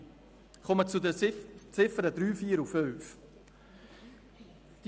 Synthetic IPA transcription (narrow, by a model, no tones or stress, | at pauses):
χɔmət͡sudət͡sɪfəɾədɾyːfiːɾuføɥf | d̥